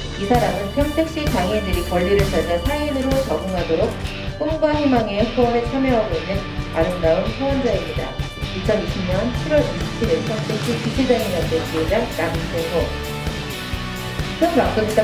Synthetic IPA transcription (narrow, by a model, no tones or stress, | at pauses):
isʰaɾamɯnpʰjʌntʰek̚ɕ͈it͡ɕaŋendɯɾikʌʎːiɾɯɭt͡ɕʌd͡ʑʌsʰainɯɾot͡ɕʌɡoŋɦadoɾok̚ | p͈oŋɡaɦimaŋekʰʌmet͡ɕʰʌmjʌɦaɡoinːɯna̰ɾɯndaɯmsʰʌʌnd͡ʑaimɲida̰ | it͡ɕʰʌniɕʰimɲʌnt͡ɕʰiɾwʌɾiɕit͡ɕʰiɾepʰjʌŋtʰek̚ɕ͈ipid͡ʑʰid͡ʑaŋiɡandet͡ɕied͡ʑanamseso | kʰɯnmak͈oɡita